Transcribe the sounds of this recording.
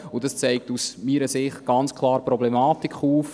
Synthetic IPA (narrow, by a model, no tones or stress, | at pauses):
ʊdɑst͡sɛɪk̚tusmiːɾəsɪχtɡ̥ɑnt͡skʰlˠɑːɾpɾɔblɛmɑːtikχuːf